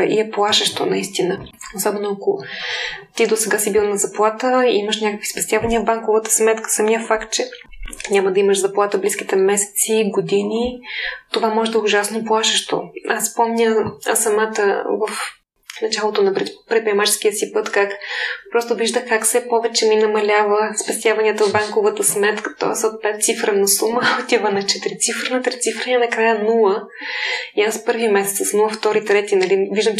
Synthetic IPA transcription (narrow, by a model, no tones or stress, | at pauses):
ḭɛplˠaʃəʃt̪o̰nɐist̪inə | osɔbɛnoɐko | t̪id̪osɛɡasibilˠnɐzɐplˠat̪əḭməʃnʲakəkvi̥spɛst̪ʲjavɐniəvbaŋkovət̪ə̥smɛt̪kə̥sɐmiəfakt̪̚t͡ʃɛɲʲamɐd̪ɐiməʃzɐplˠat̪əblisk̟it̪ɛmɛsɛ̥t̪siɡod̪init̪ovamɔʒɛd̪ɐɛʊʒasnoplˠaʃəʃt̪o̰asspɔmnʲəsɐmat̪əvəf | nɐt͡ʃalˠot̪onɐpɾɛpɾʲɛit̪pɾiɛmat͡ʃɛ̥skiəsipɤt̪kakpɾɔst̪oviʒd̪əxkakfsɛpɔvɛt͡ʃɛminɐmɐlʲavəspɛst̪ʲjavɐnʲiət̪əvbaŋkovət̪əsmɛt̪kə̥t̪ɔ̰sot̪̚pɛt̪̚t̪sifɾənɐsuməot̪ivənɐt͡ʃɛt̪ɾit̪sifɾənɐt̪ɾit̪sifɾənʲɛnɐkɾajənulˠə | iaspɤɾviəmɛsɛt̪səsnulˠəft̪ɔɾit̪ɾɛt̪inɐliviʒd̪əm